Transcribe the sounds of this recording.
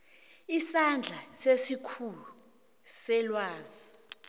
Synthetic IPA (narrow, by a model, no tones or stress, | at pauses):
isand͡ɮʱasesikʰulu | sɛlwaːzi